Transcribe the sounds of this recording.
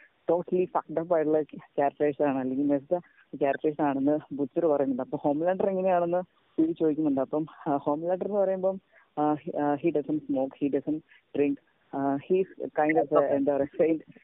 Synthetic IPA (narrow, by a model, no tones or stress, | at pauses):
ʈo̞ːʈːɐlifaːkʈɐp̬ːaːjʈːuɭːɐkʲaːrʈːeːʂɐnaːɳɨɐlːeŋɡilmes̬t̪ɐ | kʲaːɾpʈeːʂ̬ɐnaːɳenːɨbut͡sːɐɾɨpɐrɐjunːuɳɖɐpːɐmho̞ːmlaːɳɖɐreŋːɐnejaːɳenːɨ | piːit͡ɕːoðikʲːunːuɳɖɨɐpːɐmho̞ːmlaːɳɖɐrenːɨpɐrɐjumboːm | ɦiɖɐsɐnsmo̞ːkhiɖɐsɐnɳʈ | ɖriŋk | hiskajɳɖofend̪aːʋɐrefejnɖ